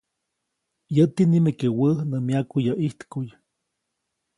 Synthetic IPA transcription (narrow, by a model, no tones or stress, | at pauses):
jət̪inimekewəhnəmjakujaʔiht̪kuj